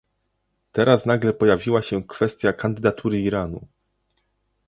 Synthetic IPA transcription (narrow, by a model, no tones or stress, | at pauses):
t̪ɛɾasnaɡlɛpɔjavʲiwaɕɛkfɛst̪ʲjakand̪ɘd̪at̪ʰuɾɘiɾanu